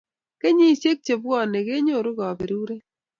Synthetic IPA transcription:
ke˦ɲi˦˨se˦k̚t͡ʃe˨b̚ɡɔ˦˨ne˨ɡe˦ɲo˦˨ɾʊ˦ɡɔ˨bɪ˨ɾu˦ɾe˦

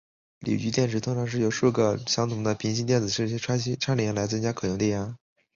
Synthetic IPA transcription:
lḭ˨˩t͡ɕy˧˥t̪jɛ˥˩nʈ͡ʂʰɻ̩˧˥t̪ʰʊ˥ŋʈ͡ʂʰɑ˧˥ŋʂɻ̩˥˩jo˨˩ʊʂu˥˩ɡə˩ɕjɑ˥ŋt̪ʰʊ˧˥ŋd̪ə˧pʰi˧˥ŋɕi˥nt̪jɛ˥˩nd͡zɹ̩˨˩ʂɻ̩˥˧˩ʈ͡ʂʰʈ͡ʂʰa˥nli˨˩˥la˧˥ɪt͡sə˥ŋt͡ɕja˥kʰɤ˨˩jʊ˧˥ŋt̪ɛ˥˩ja˥

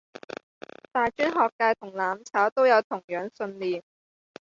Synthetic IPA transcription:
t̪aː˨jt͡ʃyː˥nɦɔː˨kːaː˧jt̪ʰʊ˨˩ŋlaː˨mt͡sʰaː˨˥wt̪o˥wjɐ˨˧wt̪ʰʊ˨˩ŋjœː˨˧ŋsɵ˧nliː˨n

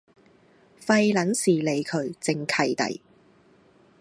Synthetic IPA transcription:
fɐ˧jlɐ˨˥nsiː˨˩le˨˧jkʰɵ˨˧˥ɥt͡sɪ˨˧ŋkʰɐ˧jt̪ɐ̰˨˩j

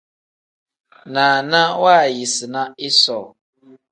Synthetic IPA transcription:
nãː˨nã˦waː˦˨ji˨sɨ˨na˦ɪ˦sɔ˨

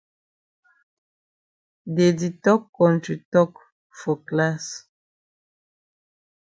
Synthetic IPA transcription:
de˨di˨tɔ˦kːɔ̃˨ntɾi˨tɔ˦k | fo˨kla˦s

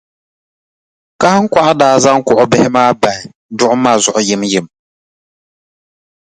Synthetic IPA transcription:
ka˦hŋ̩˦kʷa˦ʔa˦daː˦za˦ŋ˦kʊ˨ʔʊ˦bɪ˦hɪ˦maː˦ba˨hɪ˨ | dʊ˦ʔʊ˦maː˦˨zʊ˨ʔʊ˨jɪ˦mjɪ˨m

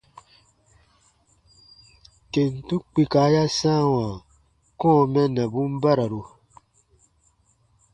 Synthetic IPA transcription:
ke˨n˨tũ˦k͡pi˧kaː˨˦ja˦sãː˦˨wãː˨ | kɔ̃˦˨mɛ̃˦nɛ̃˨bũ˦m˦ba˦ɾa˨ɾu˧

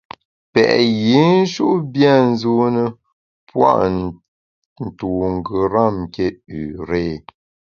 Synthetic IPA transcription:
pɛ̰˨ʔji˨˦n̩˦ʃu˦ʔbja˦˨n̩˦zu˦nə˦ | pwa̰˦ʔ | n̩˨tu˨ŋ˨ɡə˨ɾa˦˨m˨ke˦ʉ˨ɾeː˦˨

